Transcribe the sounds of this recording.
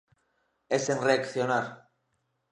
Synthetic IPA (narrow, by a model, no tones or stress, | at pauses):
esenreakθjonaɾ